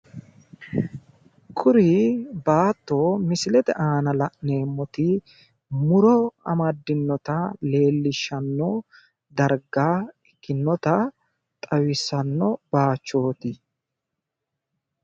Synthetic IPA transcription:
kʰʊɾɪbaːt̪ːo̞ːmɪsɪlɛt̪ɛʔaːnɐlɐʔne̞ːmːɔt̪ɪ | mʊɾɔɐ̰mɐd̪ːɪnːɔt̪ɐle̞ːlːɪʃːɐnːɔ | d̪ɐɾɡaːɛkːɪnːɔt̪ɐ | t̪ʼɐwɪsːɐnːɔb̥aːt͡ʃːo̞ːt̪ɪ

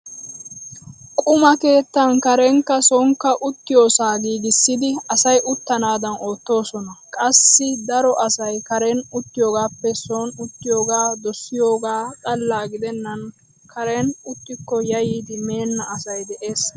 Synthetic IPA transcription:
kʼʊmɐke̞ːt̪ːɐnkɐɾɛŋkːɐsɔŋkːɐʔʊt̪ːɪjoːsaːɡiːɡɪsːɪd̪ɪɐsɐjʔʊt̪ːɐnaːd̪ɐno̞ːt̪ːo̞ːsɔnɐkʼɐsːɪd̪ɐɾɔʔɐsɐjkɐɾɛnʊt̪ːɪjoːɡaːpːɛsonʊt̪ːɪjo̞ːɡaːd̪ɔsːɪjoːɡaːkʼɐlːaːɡɪd̪ɛnːɐn | kʰɐɾɛnʊt̪ːɪkːɔjɐjiːd̪ɪme̞ːnːɐɐsɐjd̪ɛʔe̞ːs

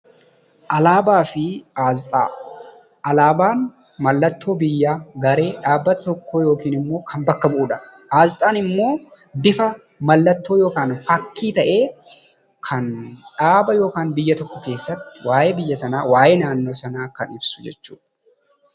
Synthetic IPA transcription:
ʔɐlaːbaːfɪaːzt̪ʼa̰ː | ʔɐlaːbaːn | mɐlːɐt̪ːo̞ːbɪjːaːɡɐɾe̞ːᶑaːbːɐt̪ɐt̪ɔkʰːoːjo̞ːkiːnɪmːo̞ːkʰɐmbɐkːɐbʊʔuːᶑɐʔaːzt̪ʼaːnɪmːo̞ː | d̪ɪfɐ | mɐlːɐt̪ːo̞ːjo̞ːkaːnfɐkːiːt̪ɐʔe̞ː | kʰɐnᶑaːbɐjo̞ːkaːnbɪjːɐt̪ɔkːɔke̞ːsːɐt̪ːɪ̥waːjeːbɪjːɐsɐnaːwaːjeːnaːnːo̞ːsɐnaːkɐnɪbsʊ̥d͡ʒɛt͡ʃːuːᶑ

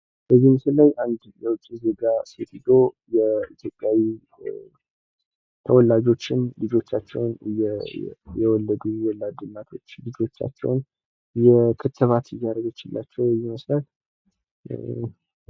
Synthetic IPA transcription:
b̥əzːimsɨllajʔand̪jɛwʊt͡ʃʼːizeɡase̞t̪id̪ojɛit̪ʰjo̞pʼjawi | t̪ʰəwɔlːad͡ʒo̞t͡ʃːɪnlɨd͡ʒo̞t͡ʃːat͡ʃːɛ̰wnj | jɛwɔlːəd̪uwɔlːad̪ɨnːat̪ʰo̞t͡ʃːlɨd͡ʒo̞t͡ʃːa̰t͡ʃːɛ̰wn | jɛkʰɨt̪ʰːɨβat̪ɨjːaɾəɡɪt͡ʃːɪlːʔat͡ʃːɛwjɛməslət̪

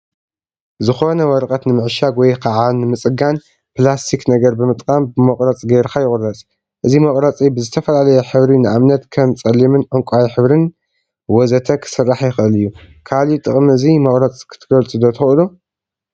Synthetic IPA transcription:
zɨxo̞nɐwɔɾqʼɐt̪nɨmɨʕʃaɡwɔjkʰaʕanɨmɨt͡sʼɨɡan | plast̪ʰiknɐɡɐɾbɨmɨt̪ʼkʼambɨmoqʼɾɐt͡sʼɡeɾkʰajɪkʼʊrːɐt͡sʼ | ʔɨzimɐkʼɾɐt͡sʼibɨzɨt̪ʰɐfɐlalɐjɛħɨβɾinɨʔamnɐt̪kʰɐmt͡sʼɐlːimɨnʕɨŋkʷʼawiħɨβɾɨn | wɔzɐt̪ʰɐkʰɨ̥sɨrːaħjɪxʔɨlɨjːu | kʰalit̪ʼɨχʼmɨzimɐχʼɾɐt͡sʼkʰɨ̥t̪ʰɨɡɐlt͡sʼɨd̪ot̪ʰɨxɨlu

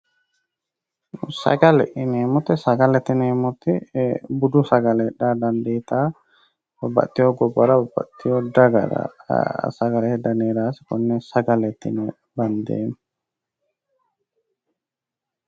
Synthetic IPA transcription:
sɐ̰ɡɐlɛ̰ʔɪneːmʊt̪ɛsɐɡɐlɛt̪ːɪneːmʊt̪ɛbʊd̪ʊsɐɡɐlɛɛdːaːd̪ɐnd̪eːt̪aː | bɐbɐ̰t̪ːɪjoɡɔbɐɾɐbɐbɐ̰ʔt̪ːɪjoːd̪ɐɡɐ̰ɾa̰sɐɡɐlɛhɛd̪ːɐneːɾaːsɪ̥kɔnːɛsɐɡɐlɛt̪ːɪ̰nɛ | bɐnd̪ḛːn

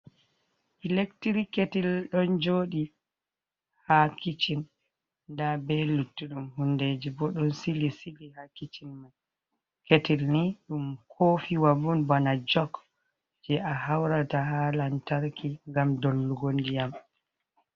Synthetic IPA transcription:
ilektiɾikːetilɗɔnd͡ʒoːɗi | hakit͡ʃin | nːdabɛlutːuɗumhunded͡ʒibɔɗɔnsilisilihakit͡ʃinmaj | ketilniɗumkʰoːfiwabunbanad͡ʒɔk | d͡ʒɛʔahawɾataɦalantaɾkiŋɡamdolːuɡondijam

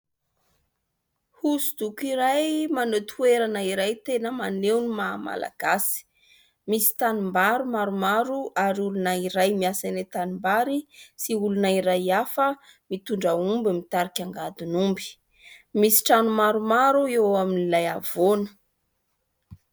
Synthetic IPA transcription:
husud̪̥ukiɾajmanot̪ʰueɾanəiɾajt̪enəmanewnimama̰la̰ɡ̥asi̥ | misi̥t̪animbaɾumaɾumaɾuʔaɾiulunaiɾajmiasanet̪animbaɾisiulunaiɾajafə | mit̪uɳɖ͡ʐəumbəmit̪aɾikʲaŋɡad̪unumbi̥ | misi̥ʈ͡ʂanumaɾumaɾuewaminilajavonə̥

